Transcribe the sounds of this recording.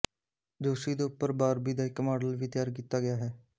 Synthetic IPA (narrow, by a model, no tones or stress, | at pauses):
d͡ʒoːsiːd̪eːʊpːəɾbaːɾbiːd̪aːɪkːmaːɖəlʋiːt̪ɪjaːɾk̬iːt̪aːɡɪjaːɦɛː